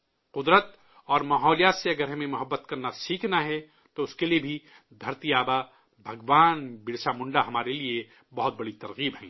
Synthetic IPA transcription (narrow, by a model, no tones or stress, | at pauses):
qʊd̪ɾət̪ | ɔːɾmaːɦɔːlijaːt̪seɐɡəɾɦɐmẽmʊɦəbːət̪kɐɾnasiːkʰnaɦɛ | t̪oʊskeliebʱi | d̪ʱɐɾt̪iaːba | bʱɐɡʋaːnbɪɽʃamʊ̃ɳɖaɦɐmaːɾelie | bɐɦʊt̪̚bɐɽit̪ɐɾɣiːbɦɛ̃ː